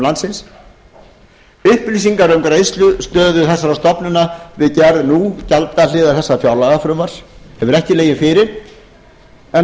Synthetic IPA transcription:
lant̪sɪns | ʏhplis̬iŋkaɾʏmkɾejst̪lʏst̪œːðʏθɛsːaɾast̪ɔpnʏnavɪðcɛɾðnucalt̪alɪːðaɾ̥θɛsːafjawlaɣafɾʏmvaɾ̥hɛvʏɾɛhcɪleːjɪnfɪɾɪɾ̥ | ɛ

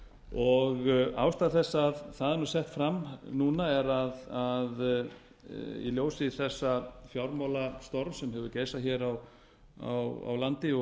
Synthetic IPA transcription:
ɔɣa̰ːwst̪aːðθɛsːaaðθaðɛnɾasɛht̪fɾamnuːnaɛɾaðað | ḭljoːwsɪiθɛsːafjawɾmawlast̪ɔɾvsɛmɦɛvʏɾcejsaçɛːɾaw | a̰wa̰wlant̪ɪɔ

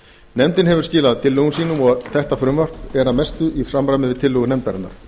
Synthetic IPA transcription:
nɛmt̪ɪnɦɛvʏɾ̥scɪːlaðt̪ʰɪlːœɣʏmsiːnʏmɔɣθɛht̪afɾʏmvar̥pɛɾaðmɛst̪ʏʔisamɾajmɪðvɪt̪ʰɪlːʏɣʏnɛmt̪aɾɪ̰nːa̰ɾ̥

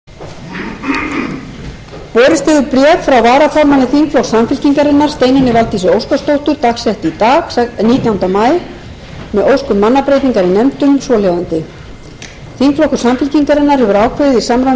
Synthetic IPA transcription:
pɔːɾɪst̪ɪɣʏpɾjɛːkfɾawvaːɾafɔɾmanɪθiŋkflɔwksamfɪl̥ciŋkaɾɪnːaɾ̥st̪eːjnɪnːɪvalt̪isʏowskast̪owht̪ʏɾt̪axsɛht̪it̪aːɣniːt̪jawnt̪amaːj | mɛðowskʏmːanːapɾejt̪niŋkaɾinɛmt̪ʏmsɔːljawant̪ɪ | θiŋkflɔwkʏ̥samfɪlciŋkaɾɪnːaɾhɛvʏɾaːwkʰvœðɪðisaːmɾa

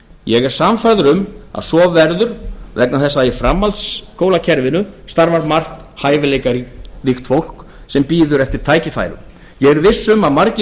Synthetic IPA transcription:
jɛɣɛɾ̥samfaɾðʏɾʏma̰ðsɔːvɛɾðʏɾ̥vɛk̚naθɛsːaifɾamːalt̪skʰoːwlacʰɛɾvɪnʏst̪aɾvaɾmar̥t̪ | haːjvɪlejkaɾlixt̪fowl̥k | sɛmpiːðʏɾɛft̪ɪɾ̥t̪ʰaːjcɪfa̰ːjɾʏ̰ | jɛɣɛɾvɪsːʏmaðmaɾcɪ

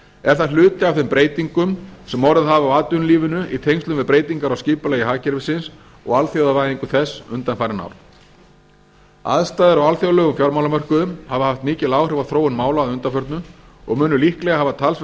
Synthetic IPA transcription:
ɛɾ̥θaðlʏːt̪ɪawθɪmpɾeːjt̪iŋkʏmsɛmɔɾɪðɦaːvawaːt̪ʏnliːvɪnʏit̪ʰejŋst̪ʏmvɪðpɾeːjt̪iŋkaɾawsciːpʏlaːjɪɦaːcɪɾvɪsɪns | ɔ̰ɣalθjowðavaːjðiŋkʏθɛsːʏnt̪anfajɾɪna̰wɾ̥ | a̰ðst̪ajðɪɾɔɣalθjoðalœɣʏmfjɔɾmawlamœr̥kʏðʏmhavahaft̪mɪːcɪlaːwrɾɛvaθɾoːwɪnmaːwlaaðʏnt̪afœɾt̪nʏ | ɔ̰ɣmʏːnʏlihklɛɣahavat̪ʰals

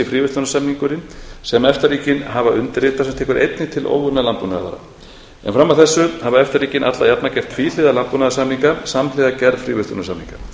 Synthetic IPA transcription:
ɪfɾiːvʏst̪ɔnasamniŋkʏɾɪnsɛmɛft̪aɾriːcɪnɦavaʏnt̪ɪɾrɪːt̪asɛmt̪ʰɛːkʏɾʔḛjt̪nɪt̪ʰɪlʔo̰ːwvʏnːalanpuna̰ða̰va̰ɾa̰ | ɛ̰nfɾamːawθɛsːʏhavaɛft̪ariːcɪnʔa̰t̪lajap̪nacɛft̪fiːl̥ɪðalantpunaðasamniŋkasamlɪðacɛɾfɾiːvʏst̪ɔ̰nasamniŋka

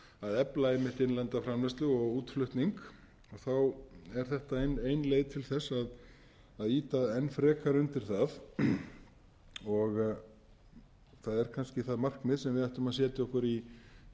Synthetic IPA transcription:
aðɛplaejmːɪht̪ɪnlɛnt̪afɾamlɛst̪lʏɔɣuːt̪flʏht̪niŋk | ɔɣθawɛɾ̥θɛht̪aejneːjnleːjðt̪ʰɪlθɛsːaðː | ðiːt̪aɛnːfɾɛːkaɾʏnt̪ɪɾ̥θað | ɔɣ | θaðɛɾ̥kʰanscɪθaðmar̥kmɪðsɛmvɪðajht̪ʏmaðsɛːt̪ɪɔhkʏɾi

